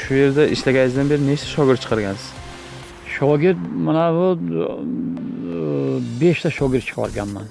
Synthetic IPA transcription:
ʃuje̞ɾd̪aʔɪslaɡʲanɪzd̪anbe̞ɾɪne̞t͡ʃt̪ʰḁʃɒɡʲɪɾt̪t͡ʃʰɨ̥qʰɑɾɡʲansɪz̥ | ʃɒɡʲɪɾt̪manaʊ | be̞ʃt̪ʰaʃɒɡʲɪɾt̪̚t͡ʃʰɨ̥qʰɒ̰ɾɡʲa̰nma̰n

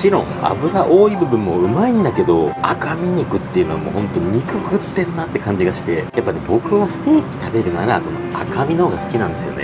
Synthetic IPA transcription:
t͡ɕiɾõ̞̰ŋa̰bɯ̟ɾaʔo̞ːibɯ̟bɯ̟̃mːo̞ɯ̟maĩnd̪ake̞d̪o̞a̰kamʲiɲ̟ikɯ̟t̪ːe̞jɯ̟noamo̰ːhõ̞nt̪oɲiikɯ̟kɯ̟t̪ːẽ̞nːat̪ːe̞kãɲ̟d͡ʑiɡaɕi̥t̪e̞japːanebo̞kɯ̟βasɨ̥t̪e̞ːkʲi̥t̪abe̞ɾɯ̟naɾako̞no̞akamʲinohoːɡasɨ̥kʲinãnd̪esɨjo̞̰nḛ

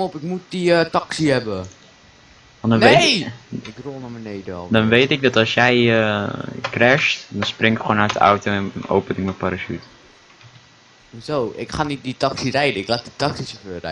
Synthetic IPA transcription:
ɔpɪkmut̚diətɑksiɦɛbə | ʋɑndɔne | ɪkronəmənejdəɔ̰lˠdɔnʋejtɪɡ̚dɑtɑlˠsjɛjəkrɛstdɔnsprɪŋɪkχwoːnaɥt̚dəa̰wtoɛno̰wpənɪk̚məpaɾasyt | zowʔɪ̰kχanit̚ditɑksirɛjdəɪklat̚ditɑksisəføːrɛ̰

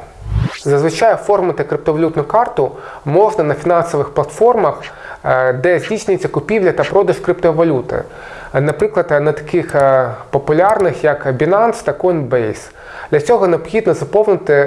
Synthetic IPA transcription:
zɐzʋɪt͡ʃɑjʊfɔrmɪt̪ɪkɾɪp̚t̪ɔʋɐlʲut̪nʊkɑrt̪ʊ | mɔʐnɐnɐfʲinɑnsɔʋɪxplˠɐt̪fɔrmɐx | d̪ɛzʲdʲisʲnʲʊjɪt͡sʲːɐkʊpʲiwlʲɐt̪ɐpɾɔd̪ɐʒkɾɪpt̪ɔʋɐlʲut̪ɪ̰ | nɐpɾɪklˠɐt̪nɐt̪ɐ̥kɪxpɔpʊlʲɑrnɪxjɐkɐbʲinɑnst̪ɐkɔnbɛjs | d̪̥lʲɐt͡sʲɔɦɔneɔbxʲid̪nɔzɐpɔwnɪt̪ɪ

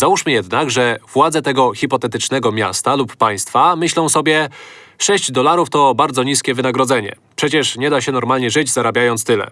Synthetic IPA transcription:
zauʂmɘjɛd̪naɡʐɛvwad̪zɛt̪ɛɡɔxʲipɔt̪ɛt̪ɘt͡ʂnɛɡɔmʲja̰st̪alupːaj̃st̪famɘɕlɔ̃w̃sɔbʲjɛʂɛɕd͡ʑd̪ɔlaɾuft̪ɔbaɾd̪zɔɲiskʲɛvɘnaɡɾɔd̪zɛɲɛ̰ | pʂɛt͡ɕɛʂɲɛd̪aɕɛnɔɾmalɲɛʐɘd͡ʑzaɾabʲjajɔnt̪st̪ɘlɛ̰

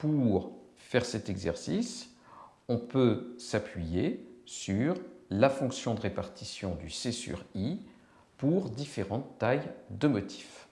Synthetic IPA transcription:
puʁ | fɛʁsɛt̪ɛɡzɛʁsis | ɔ̃pøsapʰɥijesyʁlafɔ̃ksjɔ̃d̪əʁepaʁt̪ʰisjɔ̃d̪ysesy̰ʁi | puʁd̪ifeʁɑ̃t̪ːajd̪əmɔt̪ʰi̥f

